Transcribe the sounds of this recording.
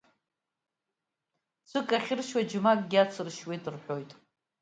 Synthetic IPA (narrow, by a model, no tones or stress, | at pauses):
t͡sʷʰɨkʼaχʲɪrʃwad͡ʒʊmakʼɡʲɪat͡sʰɨrʃwetʼɨrħʷᶣo̞jtʼ